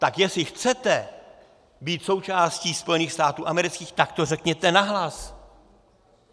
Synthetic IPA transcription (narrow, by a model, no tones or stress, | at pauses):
t̪akjɛsɪxt͡sɛt̪ɛ | biːt̪so̞wt͡ʃaːsciːspo̞jɛniːxst̪aːt̪uːʔamɛɾɪt͡skiːxt̪ak̚t̪o̞rɛkɲɛt̪ɛnaɦlas